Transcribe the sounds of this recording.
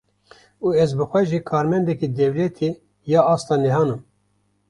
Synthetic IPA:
uːɛzbɨxʷɛʒiːkʰɑːɾmɛnd̪ɛkid̪ɛvlɛt̪ʰe | jɑːɑːst̪ɑːnɛɦɑːnɨm

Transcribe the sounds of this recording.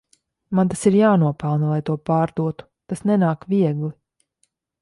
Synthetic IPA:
mant̪asiɾjaːnuɔpɛlˠnɐlˠajt̪uɔpaːɾd̪uɔt̪u̥t̪asnɛnaːkviɛɡlˠi

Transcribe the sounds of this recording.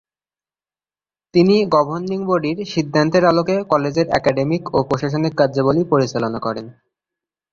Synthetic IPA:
t̪iniɡɔbʱonːiŋboɖiɾʃid̪ʱːant̪eɾalokekɔled͡ʑeɾɛ̰kaɖemikopɾoʃaʃ̬onikːad͡ʑebolipoɾit͡ɕalonakɔɾen

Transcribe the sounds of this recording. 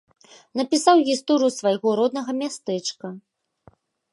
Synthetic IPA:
nɐpʲisawɣʲist̪ɔɾɨjusvajɣɔɾɔd̪nɐɣɐmʲast̪ɛt͡ʂkɐ

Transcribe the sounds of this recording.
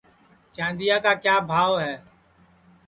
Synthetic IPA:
t͡ʃãːnd̪ijaːkaːkjaːbʱaːʋoɦɛː

